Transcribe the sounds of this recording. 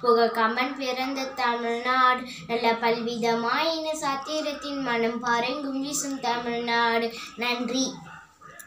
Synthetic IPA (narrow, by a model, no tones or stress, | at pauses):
kʊɣɐkɐmɐnpɪɾɐnd̪ɐt̪ɐmɪɻnaːɽ | nɐlːɐpɐlʋɪðɐmaːjɐnɐsaːt̪ːiːɾɐt̪ːɪnmɐnɐmpaːɾɐŋɡʊmɡisɯmt̪ɐmɪɻnaːɽnɐndri